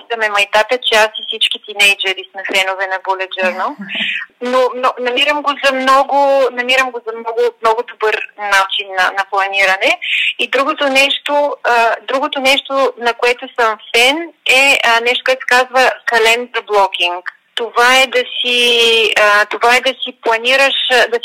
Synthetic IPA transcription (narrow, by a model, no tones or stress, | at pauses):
sɐmɛmɐjt̪apət͡ʃɛasisit͡ʃkit̪inɛjd͡ʒəɾisnɐfɛnovɛnɐbolʲɛd͡ʒəɾnəlˠnomnonɐmiɾəmɡozɐmnɔɡʊnɐmiɾəmɡozɐmnɔɡʊmnɔɡʊd̪obɤɾnat͡ʃinːɐnɐplˠɐniɾɐnɛid̪ɾuɡot̪onɛʃt̪oəd̪ɾuɡot̪onɛʃt̪onɐkoɛt̪ʊsəmfɛnɛnɛʃt̪o̥koɛt̪sɛkazvəkɐlɛnd̪ɐblˠɔk̟iŋk | t̪ovaɛd̪ɐsiət̪ovaɛd̪ɐsiplˠɐniɾəʃd̪ɐs